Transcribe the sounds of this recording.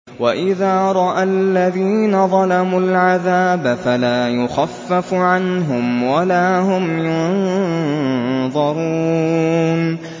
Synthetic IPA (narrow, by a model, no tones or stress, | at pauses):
waʔɪðaːɾˤɑʔalːaðiːnaðˤɑlamulʕaðaːbafalaːjʊxafːafʕanɦʊmwalaːɦʊmjʊn | ðˤɑɾuː | n